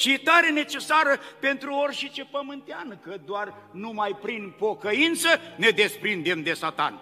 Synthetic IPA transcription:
ʃit̪aɾe̞ne̞t͡ʃe̞saɾəpe̞nt̪ɾuorʲʃit͡ʃe̞pəmɨnt̪eankəd̪oar | numajpɾinpo̞kəint̪səne̞d̪e̞spɾind̪e̞md̪e̞sat̪a̰n

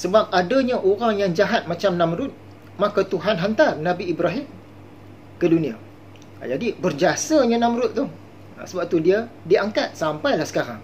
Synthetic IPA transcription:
səbap̚adaɲãʔoɾaŋjaŋd͡ʒaɦat̪̚mãt͡ʃamnãmɾʊt̪̚ | mãkat̪uɦanɦant̪arnãbiibɾaɦim | kədunĩa̰ | d͡ʒadibərd͡ʒiasaɲãnãmɾʊt̪̚ːʊh | a̰səbap̚t̪udiadiaŋkat̪̚sampajlahsə̥kaɾa̰ŋ

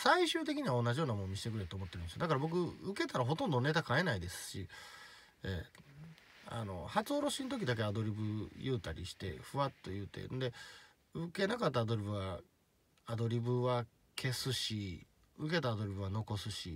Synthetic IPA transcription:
saiɕɨːt̪̬ekʲiɲ̟iβaõ̞nːaʑijo̞ːnamõɲːiɕi̥t̪ekɯɾe̞t̪omo̞t̪ːeɾɯ̟nsjod̪akaɾabo̞k̬ɯ̟ɯke̞t̪aɾaɦo̞t̪õ̞nd̪one̞t̪akae̞naid̪e̞sɨ̥ɕi | ḛː | a̰no̞̰hat͡sɨoɾo̞ɕint̪o̞k̬ʲid̪ake̞ad̪o̞ɾʲibɯ̟jɯːt̪aɾʲʔḭɕi̥t̪e̞̰ɸɯ̟at̪ːe̞jɯ̟ːt̪ḛ̃nd̪e̞ | ɯke̞nakat̪ːaːd̪o̞ɾʲibɯ̟βa | ad̪o̞ɾʲibɯ̟βa | kʰe̞sɨɕi | ɯk̬e̞t̪aːd̪o̞ɾʲibɯ̟βano̞ko̞sɨɕḭ

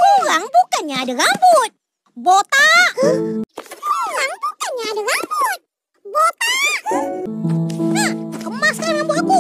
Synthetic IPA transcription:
koɾaŋbukanɲaːdaɣabʊt̪̚ | bot̪a | koɾaŋbukanɲaːdaɡabʊt̪̚ | bot̪a | nakəmaskanlambʊt̪aku

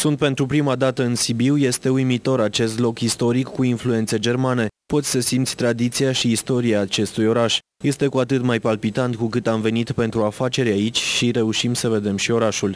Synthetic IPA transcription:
sunt̪̚pe̞nt̪ɾupɾimad̪at̪əɨnsibiwje̞st̪e̞ujmit̪o̞ɾat͡ʃe̞st̪lo̞kist̪o̞ɾikːuinflue̞nt̪se̞d͡ʒe̞rmane̞po̞t̪sʲsəsimt̪sʲt̪ɾad̪it̪siaʃiːst̪o̞ɾiaːt͡ʃe̞st̪ujo̞ɾaʃ | je̞st̪e̞kuat̪ɨt̪majpalpit̪ant̪kukɨt̪amve̞nit̪pe̞nt̪ɾuafat͡ʃe̞ɾʲait͡ʃʲʃiɾe̞uʃimsəve̞d̪e̞mʃio̞ɾaʃul

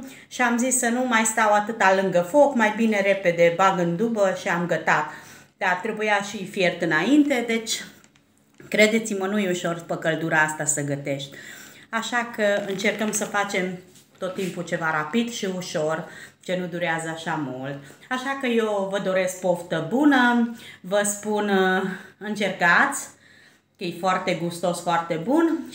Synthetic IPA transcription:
ʃiamzisːənumajst̪awat̪ɨt̪alɨŋɡəfo̞kmajbine̞ɾe̞pe̞d̪e̞baɡɨnd̪ubəʃiamɡət̪at̪ | d̪̥art̪ɾe̞bujaʃifje̞rt̪ɨnaint̪e̞d̪e̞t͡ʃʲ | kɾe̞d̪e̞t̪simənujuʃo̞rpəkəld̪uɾaast̪asəɡət̪e̞ʃt̪ʲaʃakəɨnt͡ʃe̞rkəmsəfat͡ʃe̞m | t̪o̞t̪ːimput͡ʃe̞vaɾapid̪ʃiuʃo̞rt͡ʃenud̪uɾeazəaʃamult̪̚aʃakəje̞wvəd̪o̞ɾe̞sk̚poft̪əbunəvəspun | ɨnt͡ʃe̞rkat̪sʲ | kəjejfoart̪e̞ɡust̪o̞sfoart̪e̞bun

